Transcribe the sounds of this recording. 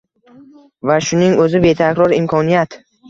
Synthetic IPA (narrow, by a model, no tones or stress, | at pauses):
vaʃʊnɪŋɵzɪbe̞t̪ʰakʲɾɒɾɪmkʰɒnijat̪